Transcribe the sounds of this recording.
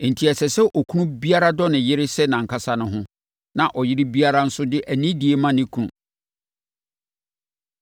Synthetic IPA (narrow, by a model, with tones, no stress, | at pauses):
n̩˨tʰi˨ɛ˨sɛ˨sɛ˦ʔɔ˨kʰu˦nũ˦bi˦a˦ɾa˦dɔ˦nɪ̃˨jɪ˦ɾɪ˦sɛ˦nã˨ŋ̩˨kʰa˦sa˦nʊ̃˦ɦʊ̃˦ | nã˨ʔɔ˨jɪ˦ɾɪ˦bi˦a˦ɾa˦n̩˦sʊ˦dɪ˦ʔæ˨nĩ˦di˨e˦mã˦nɪ̃˦kʰu˦nṵ̃˨